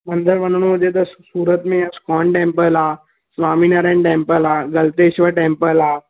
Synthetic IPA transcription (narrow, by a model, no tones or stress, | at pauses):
mɐ̃nd̪ʱəɾʋɐnɽ̃od͡ʒet̪̬ɐsuːɾət̪mẽskɔːɳʈẽːmpəlaː | sʋaːminɐɾẽɳʈẽːmpəlaːɡɐlt̪eːʃʋəʈẽːmpəlaː